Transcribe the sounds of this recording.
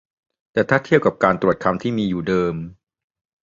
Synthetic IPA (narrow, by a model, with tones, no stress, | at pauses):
t̪ɛː˨˩t̪ʰaː˥˩t̪ʰi˥˩əw̚ka˨˩p̚kaː˧nt̪ɾu˨˩ə˩t̪̚kʰa˧mt̪ʰiː˥˩miː˧juː˨˩dɤː˧m